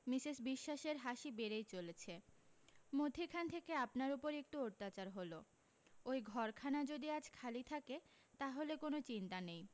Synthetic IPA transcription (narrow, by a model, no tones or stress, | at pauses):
misiʃbiʃːaʃeɾɦaʃibeɾejt͡ɕolet͡ɕʰe | mod̪ʱikʰant̪ʰekeapnaɾupoɾek̚ʈuoɾt̪ːat͡ɕaɾɦolo | ojɡʱɔɾkʰanad͡ʑod̪iad͡ʑkʰalit̪ʰake | t̪aɦolekonot͡ɕint̪anej